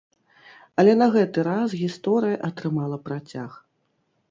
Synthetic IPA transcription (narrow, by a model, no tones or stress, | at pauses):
ɐlʲɛnɐɣɛt̪ɨɾasɣʲist̪ɔɾɨjɐʔɐt̪ɾɨmalˠɐpɾat͡sʲax